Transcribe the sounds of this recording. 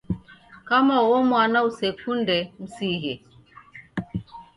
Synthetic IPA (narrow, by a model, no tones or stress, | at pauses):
kamawɔmwanausekundɛm̩siɦe